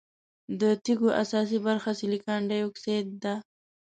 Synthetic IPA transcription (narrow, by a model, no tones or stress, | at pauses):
d̪ət̪iɡoʔa̰sɑs̬ibaɾxasilikɑɳɖajokset̪̚d̪a